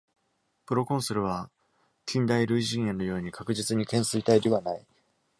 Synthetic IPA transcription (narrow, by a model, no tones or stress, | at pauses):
pɯ̟ɾo̞kõ̞ɰ̃sɨɾɯ̟β̞a | kʲʰĩnd̪aiɾɯ̟iʑĩːjanojo̞ːɲ̟ikʰakɯ̟ʑit͡sɨɲ̟ikẽ̞ɰ̃sɨit̪aid̪e̞βanai